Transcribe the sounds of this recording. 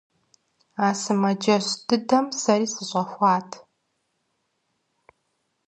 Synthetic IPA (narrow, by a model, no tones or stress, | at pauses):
aːsɨmɐd͡ʒɐɕd̥ɨdɐmsɐɾiːsɨɕʷʼɐxʷɑːtʰ